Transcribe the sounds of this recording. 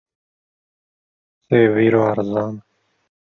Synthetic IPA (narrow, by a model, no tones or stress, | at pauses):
seːwiːɾoːɐɾzaːn